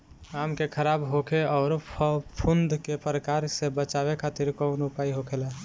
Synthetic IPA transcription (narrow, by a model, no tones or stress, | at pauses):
amkekʰəɾabɦokʰeɔːɾpʰund̪kepɾəkaɾsebət͡ʃaβekʰat̪iɾkɔnupaiɦokʰelɛ